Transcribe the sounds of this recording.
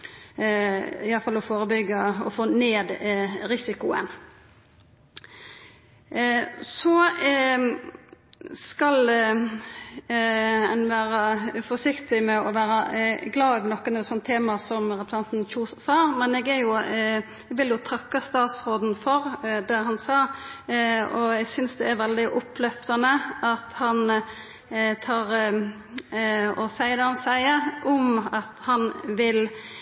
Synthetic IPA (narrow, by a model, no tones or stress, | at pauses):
ɪjɑlfɑlɔfoːɾəbʏɡːɑɔfoːneːd̪ɾɪsɪkʊə̰n | sɔ | skɑl | ɛnʋæːɾɑfɔʂɪkt̪ɪmɛɔʋæːɾɑɡlɑːœʋnɔkːənɛt̪sɔnt̪ʰːeːmɑsɔmɾɛpɾə̥sɑnt̪n̩çuːssɑːmɛnɛɡæɾjʊ | ɛɡʋɪljʊt̪ʰɑkːɑst̪ɑːt̪sɾoːd̪n̩fɔɾd̪æɦɑnsɑː | ɔɛɡsʏnsd̪ɛæɾʋɛld̪ɪʔʊpʰːlœft̪ɑnəɑt̪hɑn | t̪ʰɑːɾ | ɔsæɪəd̪ɛhɑnsæɪəʔɔmɑt̪hɑnʋɪl